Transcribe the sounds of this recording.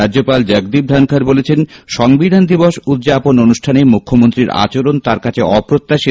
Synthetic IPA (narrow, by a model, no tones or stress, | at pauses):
ad͡ʑopald͡ʑəɡ̚d̪ib̚d̪ʱankʰaɾbolet͡ɕʰenʃɔŋbid̪ʱand̪iboʃud̪d͡ʑapononuʃʈʰanemukʰːomont̪ɾiɾa̰t͡ɕoɾont̪aɾkat͡ɕʰeɔpɾot̪ːaʃi